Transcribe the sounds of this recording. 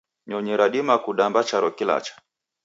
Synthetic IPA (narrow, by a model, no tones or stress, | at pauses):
ɲɔɲɛɾaɗimakuɗambat͡ʃaɾɔkila̰t͡ʃḁ